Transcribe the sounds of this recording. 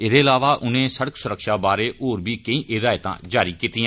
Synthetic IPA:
ɪd̪eːɪlaːʋaːʔʊnẽːsəɽəksʊɾəkʃaːbaːɾeːʔoːɾbʱiːkəĩːʔeːɾaːɪt̪ã̰ːd͡ʒaːɾiːkiːt̪iːãː

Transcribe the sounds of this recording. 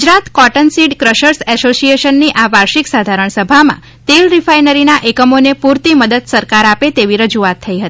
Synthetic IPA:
ɡd͡ʒɾat̪kɔʈənsiɖkɾəʃəɾsɛsosieʃənːiʔaʋaɾʃiksad̪ʱaɾəɳ̃səbʱamã̰ | t̪elɾifajnəɾinaʔekəmonepuɾt̪iməd̪əd̪səɾkaɾapet̪eʋiɾəd͡ʒuat̪ʰːəiɦət̪i̥

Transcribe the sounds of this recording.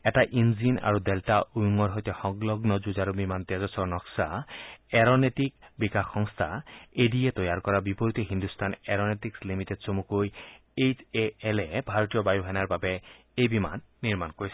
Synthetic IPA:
ɛtaʔinzina̰ɹudɛltaʔujuŋɔɹɦojtɛxɔŋɡlɔɡnɔzuzaɹubimant̪ɛzɔsɔɹnɔksaɛɹɔnetik̚bikaxːɔŋst̪ʰaedijɛtɔjaɹkɔɹabipɔɹit̪ɔɦind̪ustʰanɛɹɔnetikslimitedsomukoj | et͡ʃeɛlɛbʱaɹɔtijɔbajuɦɛnaɹbabɛ | ejbima̰nːiɹmankoɹisɛ

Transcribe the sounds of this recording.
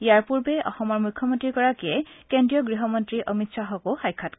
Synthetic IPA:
ijaɹpuɹbɛʔɔ̰xɔmɔɹmujkʰːɔmɔntɹikɔɹakiɛkendijɔɡɹiɦɔmɔntɹiʔɔmitsaɦɔkoxajkʰːat

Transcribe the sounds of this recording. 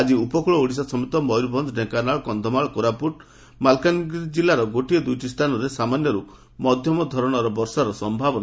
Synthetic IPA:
ad͡ʒiupɔkuɭɔuɽis̬asɔmit̪ɔmɔjɾubʱɔnd̪ɖekanaɭkɔnd̪ʱɔmaɭkoɾapuʈ | malkanɡid͡ʒilːaɾɔɡoʈiɔd̪ujʈist̪ʰanɔɾesamanjɔɾu | mɔd̪ʱjɔmɔd̪ʱɔɾɔɽ̃ɔɾɔbɔɾsaɾɔsɔmbʱabɔn

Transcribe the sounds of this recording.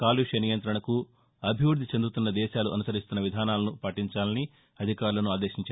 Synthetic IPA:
kaːliʂɐnijɐnt̪ɾɐɳɐku | ɐbʱiʋɾud̪ʱit͡ʃend̪ut̪unːɐd̪ɛːʃaːluʔɐnusɐɾist̪unːɐʋid̪ʱaːnaːlɐnupɐʈiɲt͡ʃaːlɐni | ɐd̪ʱikaːɾulɐnuaːd̪eːʃiɲt͡ʃa

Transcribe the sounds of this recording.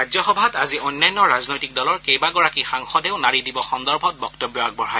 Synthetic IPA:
ɹazɔxɔbʱataziojnːajnːɔɹaznojtik̚dɔlɔɹkejbaɡɔɹakixaŋxɔdɛʊnaɹidibɔxɔndɔɹbʱɔt̚bɔktobjɔak̚bɔɦaj

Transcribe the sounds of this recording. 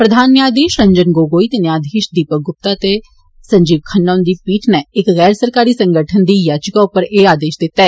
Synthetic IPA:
pɾəd̪ʱaːnːɪaːd̪eːʃɾəɲd͡ʒənɡoːɡoːiːt̪enjaːd̪eːʃd̪iːpəɡʊp̚t̪aːt̪e | səɲd͡ʒiːbkʰənːaːnd̪iːpiːʈʰnɛːɪkɣɛːɾsəɾkaːɾiːsə̃ŋɡəʈʰənd̪iːjaːd͡ʒkaʊpːəɾeːaːd̪eːʃd̪ɪt̪ːɛː

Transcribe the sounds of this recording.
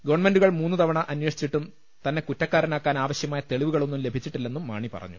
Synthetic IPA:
ɡɐʋɐɳɐme̞nɖuɣɐɭmuːnːut̪ʰɐʋɐɳɐʔɐnweʂi̥t͡ɕːiʈːum | t̪ɐnːe̞kutːɐkːaːɾɐnaːkːaːnaːʋɐɕjɐmaːjɐt̪eɭiʋuɣɐɭo̞nːumle̞bʱit͡ɕːiʈːilːe̞nːumːa̰ːɳipɐ̰rɐ̰ɲːu

